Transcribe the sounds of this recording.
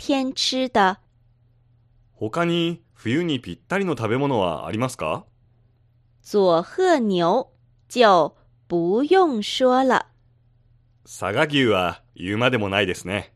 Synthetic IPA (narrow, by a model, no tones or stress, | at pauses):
t̪ʰjɛnʈ͡ʂʰɻ̩d̪ə | ho̞kaɲ̟i | ɸɯjɯɲ̟ipʲit̪ːaɾʲino̞t̪abe̞mo̞no̞βa̰a̰ɾʲimasɨ̥ka̰ | t͡swɔxɤnjoʊ | t͡ɕjaʊ | pujʊŋʂwɔlə̰ | sa̰ɡaɡʲɨːβa | jɯːmad̪e̞mo̞naid̪e̞sɨne